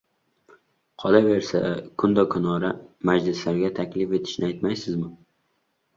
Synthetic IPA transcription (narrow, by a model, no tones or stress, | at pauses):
qʰɒlave̞ɾsa̰kʰʊnd̪ɒkʰʊnɒɾamad͡ʒlɪslaɾɡʲat̪ʰakʲlɪfe̞t̪ʰɪ̥ʃnɪajt̪majsɪzmɪ